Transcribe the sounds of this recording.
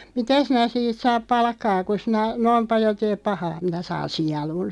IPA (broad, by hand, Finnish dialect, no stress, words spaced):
mitæ sinæ siːt sɑːp pɑlkːɑː ku sinæ noim pɑljo teːp pɑhɑː minæ sɑːn siɑlun